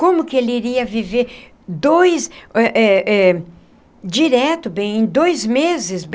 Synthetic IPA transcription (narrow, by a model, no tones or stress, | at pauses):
kõmʊkɪelɪiɾiɐviveɾ | d̪ojsɛʔɛʔɛ | d͡ʒiɾɛt̪ʊbẽj̃ẽj̃d̪ojzmezɪsb